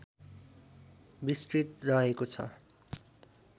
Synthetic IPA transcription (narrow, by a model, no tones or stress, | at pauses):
bisʈrit̪rʌɦekot͡sʰʌ̰